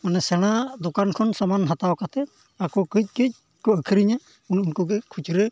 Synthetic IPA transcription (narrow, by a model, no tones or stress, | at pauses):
manɛsɛɽ̃ad̪ɔkankʰɔnsɔmanɦat̪awkat̪ɛ | akɔkɯc̚kɯc̚ | kɔːkʰiɾiɲa | ununkuɡɛkʰut͡ʃɾɯ